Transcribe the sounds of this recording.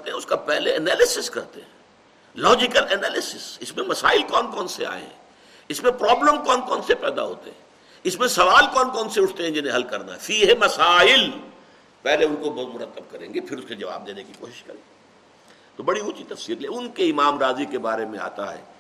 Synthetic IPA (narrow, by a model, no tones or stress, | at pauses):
ɐt̪eɦɛ̃ʊskapɛɦleɛnɛːlɪsɪskɐɾt̪eɦɛ̃ː | lɔːd͡ʒɪkəlɛnɛːlɪsɪsɪsmẽmɐsaːɪlkɔːnkɔːnsea̰ːḛɦɛ̰̃ | ɪsmẽpɾɔːbləmkɔːnkɔːnsepɛːd̪a̰ɦo̰ːt̪ḛɦɛ̰̃ | ɪsmẽsɐʋaːlkɔːnkɔːnseʊʈʰt̪eɦɛ̃d͡ʒɪnẽɦɐlkɐɾna̰ɦɛːfiːɦmɐsaːɪl | pɛɦleʊ̃nkobɐɦʊt̪mʊɾət̪ːəb̚kɐɾḛ̃ːŋɡepʰɪɾʊsked͡ʒɐʋa̰ːb̚d̪eːnekiko̰ːʃɪ̥ʃkɐɾẽː | t̪obɐɽiʊt͡ʃit̪ɐfsiːɾlieʊnkeɪmaːmɾaːzikebaːɾemẽa̰ːt̪a̰ɦɛ̰ː